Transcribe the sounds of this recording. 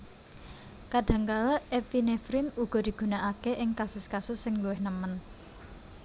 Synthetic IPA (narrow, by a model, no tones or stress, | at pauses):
kaɖ̥ä̤ŋkalaʔɛfinefɾɪnuɡ̥ɔ̤d̪̥i̤ɡ̥ṳnaʔakeʔɪŋkasʊskasʊsːɪŋluwɪhnəmən